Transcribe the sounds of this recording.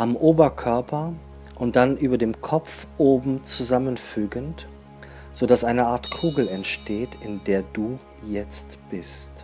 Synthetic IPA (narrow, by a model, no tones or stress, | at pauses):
ʔamʔoːbɐkʰœɐpʰɐ | ʔʊnt̚d̥anʔyːbɐdeːmkʰɔp͡fʔoːbm̩t͡suzamənfyːɡənt | z̥odasʔaɪnəaːɐtkʰuːɡl̩ɛntʃteːtɪndeːɐduː | jɛt͡st | b̥ɪst